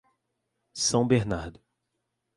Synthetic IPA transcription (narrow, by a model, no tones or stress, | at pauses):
sɐ̃w̃beɾnaɾd̪ʊ